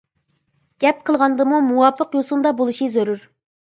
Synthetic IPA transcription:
ɡ̥ʲɛp̚qʰəlˠʁɑnd̪ɨmumuwɑpʰːəqjosund̪ɑbolˠuʃizøɾyɾ

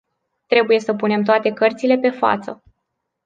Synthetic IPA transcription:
t̪ɾe̞buje̞səpune̞mt̪̬oat̪e̞kərt̪sile̞pe̞fa̰t̪sə

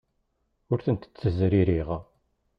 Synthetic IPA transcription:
ʊɾθənt̪ə̥t͡sːəzɾiɾiʁ

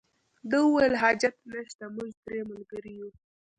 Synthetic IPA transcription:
d̪əuwajəlɦɑd͡ʒat̪nəʃt̪amʊʒd̪ɾeməlɡaɾiju

